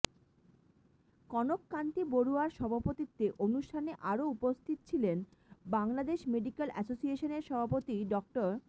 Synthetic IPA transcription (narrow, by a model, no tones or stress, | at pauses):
kɔnokːant̪iboɾuaɾʃɔbʱapot̪it̪ːeʔonuʃʈʰaneʔaɾoupost̪ʰit̪t͡ɕʰilenbaŋlad̪eʃmeɖikelɛsosieʃoneɾʃɔbʱapot̪iɖɔk̚ʈoɾ